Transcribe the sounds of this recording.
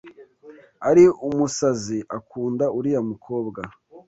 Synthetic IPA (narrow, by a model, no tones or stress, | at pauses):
aɾiumusaziʔakuːndauɾijamukʰo̞ːbɡa